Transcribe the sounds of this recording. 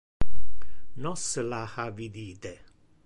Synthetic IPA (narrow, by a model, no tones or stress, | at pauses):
nɔsəlahavid̪iːt̪e